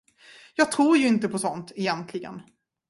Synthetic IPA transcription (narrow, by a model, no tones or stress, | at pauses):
jɑːɡ̚t̪ʰɾuːɾjɵɪnt̪əpʰɔsɔnt̪ɛjɛnt̪ʰlɪɡə̰n